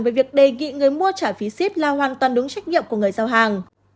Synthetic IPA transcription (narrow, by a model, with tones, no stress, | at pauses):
veː˨˦vi˨˩ək̚ɗe˨˩ŋḭ˧˨ŋɨ˨˩əjmu˧ət͡ɕaː˧˩fi˨˦si˦˥p̚laː˨˧˩ɦwaː˨˩nt̪waː˨˩nɗɨ˨˦ŋt͡ɕa˦˥k̟̚ɲḭ˧˨əmku˧˩ŋɨ˨˩əjzaː˧˩wɦaː˨˩ŋ